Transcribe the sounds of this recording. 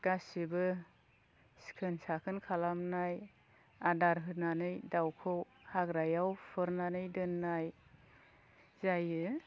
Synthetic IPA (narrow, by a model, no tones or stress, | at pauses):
ɡ̥asibɯ | si̥kʰɯnsakʰɯnkʰalamnaj | adaɾɦɯɾnanɯjdawkʰɯwhaɡɾajawpʰɯɾnanɯjdɯnːaj | zajɯ